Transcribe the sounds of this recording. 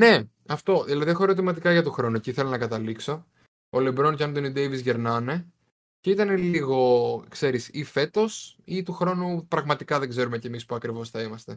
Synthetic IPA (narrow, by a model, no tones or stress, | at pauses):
ne̞ | ɐft̪o̞ðilɐðie̞xoeɾo̞t̪̬imɐt̪ikɐʝɐt̪oxɾo̞nuciθelo̞nɐkɐt̪ɐlikso̞ | olebɾo̞ncɐnd̪onid̪ejvizʝe̞ɾnɐne | ce̞it̪ɐne̞liɣo̞kse̞ɾisife̞t̪o̞sit̪uxɾo̞nupɾɐɣmɐt̪ikɐðe̞ɡze̞ɾume̞ce̞mispuɐkɾivo̞sθɐimɐst̪e̞